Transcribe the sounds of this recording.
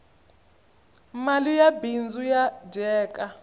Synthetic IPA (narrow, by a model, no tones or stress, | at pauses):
malijabind͡zujad͡ʒɛːkʼa